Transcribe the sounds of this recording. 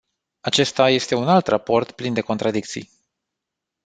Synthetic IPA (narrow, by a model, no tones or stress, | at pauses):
at͡ʃe̞st̪aje̞st̪e̞unalt̪rapo̞rt̪plind̪e̞ko̞nt̪ɾad̪ik̚t̪sḭj